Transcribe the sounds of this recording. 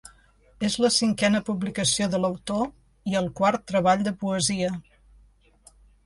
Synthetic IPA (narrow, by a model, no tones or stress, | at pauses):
ezləsiŋkɛnəpuβlikəsioðələwt̪o | iəlˠkwaɾt̪ːɾəβ̞aʎd̪əpuəziə